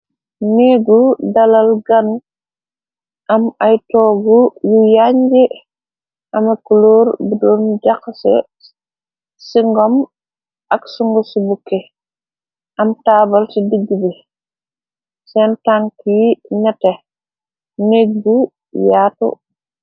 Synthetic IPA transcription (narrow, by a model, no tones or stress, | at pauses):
neɡudɐlɐlɡanu | ʔɐmɐjtɔːɡujujaɲɡɛ | ʔɐmɐkuloːɾbidɔːnɟakːsɛ̰ | siŋɡɔm | ɐksuŋɡɔsibukːe | ʔɐmtaːbɐlsidiɡːibi | sɛntaŋkiɲatɛ | neɡ̚ɡu | jaːtṵ